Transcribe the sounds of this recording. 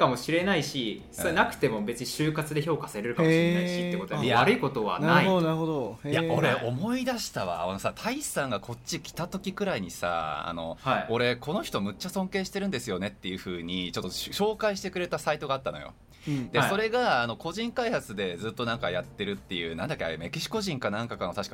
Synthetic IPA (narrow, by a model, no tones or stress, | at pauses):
kamo̞ɕiɾe̞naiɕi | sonakɯ̟̥t̪e̞mo̞be̞t͡sɨɲiɕɨːkat͡sɨd̪e̞ço̞ːkasaeɾeɾɯ̟kamoɕienaiɕit̪ekot̪ojaaɾɯ̟iko̞t̪o̞βa̰naaɯiod̪onaɾɯ̟hod̪ojao̞ɾeo̞mo̞id̪aɕi̥t̪aβa̰no̞sat̪ʰaisãŋɡakʰo̞tt͡ɕːikʲi̥t̪at̪o̞kʲikɯ̟ɾaiɲ̟isa̰a̰no̞̰o̞ɾe̞ko̞no̞çʲi̥t̪o̞mɯ̟t͡ɕːasõ̞ŋke̞ːɕi̥t̪e̞ɾɯ̟nd̪e̞sɨjo̞ne̞t̪ːe̞jɯ̟ɸɯ̟ːɲ̟it͡ɕo̞t̪ːoɕɕo̞ːkaiɕi̥t̪e̞kɯ̟ɾet̪asait̪o̞ɡaːt̪ːano̞̰jo̞̰ | d̪̥e̞so̞ɾe̞ɡaːno̞ko̞ʑĩŋkaihat͡sɨd̪e̞d͡zɨːt̪ːo̞nãŋkajat̪ːe̞ɾɯ̟t̪ːe̞jɯ̟ːnãnd̪akʲːea̰me̞kʲiɕi̥ko̞ʑĩŋkanãŋkakano̞t̪aɕi̥ka